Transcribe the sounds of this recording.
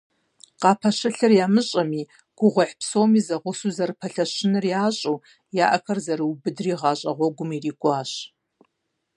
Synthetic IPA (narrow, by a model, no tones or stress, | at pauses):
qɑːpʰɐʃɐɬɐrjaːmɨɕʼɐmiː | ɡ̥ʷʊʁʷʊħpsowmiːzɐʁʷʊsuːzɐɾɨpʰɐɬɐɕɪnɨrjaːɕʼuː | jaːʔɐxɐrzɐɾɨwbɨdriːʁɑːɕʼɐ̰ʁʷɔɡʷʊmiːriːɡʷɑːɕ